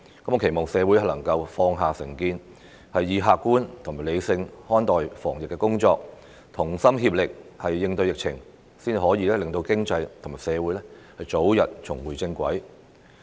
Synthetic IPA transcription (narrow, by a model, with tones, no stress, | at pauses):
kɐ˨˥mo˨˧kʰe˨˩mɔː˨˩ŋsɛː˨˧wuː˨˥jhɐ˨lɐ˨˩ŋkɐ˧wfɔː˧ŋɦaː˨˩sɪ˨˩ŋkiː˧n | hɐ˨jːiː˨˧ɦaː˨˧kːuː˥nt̪ʰʊ˨˩maː˨˩le˨˧jsɪ˧ŋhɔː˥nt̪ɔː˨jfɔː˨˩ŋjɪ˨kːɛː˧kʊ˥ŋt͡ʃɔː˧k̚ | t̪ʰʊ˨˩ŋsɐ˥mɦiː˧p̚lɪ˨k̚hɐ˨jːɪ˧ŋt̪ɵ˧ɥjɪ˨k̚t͡sʰɪ˨˩ŋ | siː˥n˨˩hɔː˨˥jiː˧lɛː˥lɪ˨ŋt̪o˧wkɪ˥ŋt͡sɐ˧jt̪ʰʊ˨˩maː˨˩sɛː˨˧wuː˨˥jlɛː˥ | hɐ˨jt͡so˨˥wjɐ˨t̚t͡ʃt͡sʰʊ˨˩ŋwuː˨˩jt͡sɪ˧ŋkʷɐ̰˨˥j